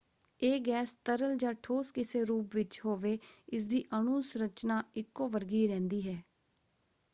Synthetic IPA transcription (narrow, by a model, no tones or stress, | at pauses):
eːɡɛːst̪əɾəld͡ʒãːʈʰoːskɪseːɾuːpʋɪt͡ʃhoːʋeːɪs̬d̪iːʔənuːsɾət͡ʃnaːɪkːoːʋəɾɡiːɾɛ̃ːnd̪iːɦɛː